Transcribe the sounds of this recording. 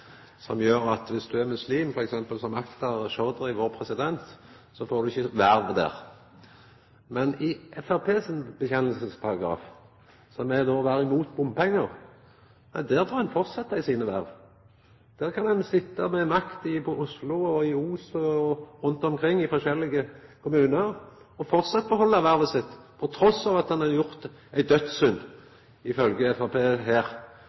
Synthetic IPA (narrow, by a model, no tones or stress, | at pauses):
sɔmjøːɾɑt̪ʋɪsd̪ʉæɾmʉsliːmfɔɾɛksɛmpəlsɔmɑkt̪ɑʁʃɔːd̪əɾɪʋoːʁpʰɾɛsɪd̪ɛnt̪ | sɔfoːɾd̪ʉɪçːəʋæɾʋd̪æ̰ːʁ | mɛnɪʔɛfæʁpʰeːsənbəçɛnːəlsəspʰɑɾɑɡɾɑ̰ːf | sɔmɛd̪oːʋæːɾɪmuːt̪̚bʊmpɛŋːəʁ | ɛd̪æːɾfɔɾʁɛnfɔʁt̪sɑt̪ːəɪsiːnəʋæ̰ɾʋ | d̪̥æːʁkʰɑndɛnsɪt̪ːəmɛmɑkt̪ɪpʰɔʔʊslʊɔɪuːsɔɔɾʊnt̪ɔmkʰɾɪŋːɪfɔʃɛlːɪɡəkʰʊmʉːnəɾ | ɔfɔʁt̪sɑt̪̚ːbəɦɔlːəʋæɾʋəsɪt̪ːpʰɔt̪ʰɾɔsɑːʋɑt̪hɑnɑjʊʁt̪ | æɪd̪œt̪ssʉnd̪ | ɪfœlɡəɛfæpʰeːɦeːʁ